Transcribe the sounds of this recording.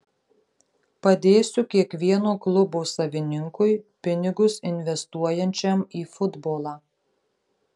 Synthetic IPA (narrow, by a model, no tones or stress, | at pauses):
pɐd̪ʲeːsʲʊkʲiɛkʋʲiɛnoːklˠʊboːsɐʋʲɪnʲɪŋkʊjpʲɪnʲɪɡʊsɪnʲʋʲɛst̪uɔjɛnʲt͡ʃʲɛmiːfʊd̪boːlˠɑː